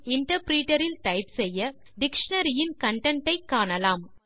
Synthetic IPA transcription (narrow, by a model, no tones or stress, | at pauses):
ɪɳʈɐɾpɾiːʈɐɾɪlt̪ɐɪpsɛjːɐ | ɖɪkʂɐnɐɾɪjɪnkɐɳʈɐɳʈɐɪkːaːnɐlaːm